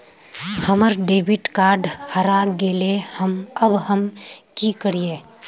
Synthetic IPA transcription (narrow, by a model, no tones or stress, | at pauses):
həməɾɖeːbɪʈkaːɾɖhəɾaɡeːlehəməbhəmkikəɾieː